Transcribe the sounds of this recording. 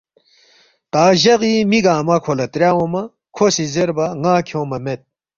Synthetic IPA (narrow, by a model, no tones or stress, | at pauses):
t̪aːʑɐɣimiɡaːmɐkʰolɐt̪ɾjaːwomɐ | kʰosizeɾbɐŋaːkʰoːmɐmet̪̚